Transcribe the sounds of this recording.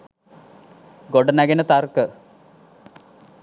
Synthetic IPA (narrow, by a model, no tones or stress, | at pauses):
ɡoɖɐnɐɡɐnɐt̪aːrkɨ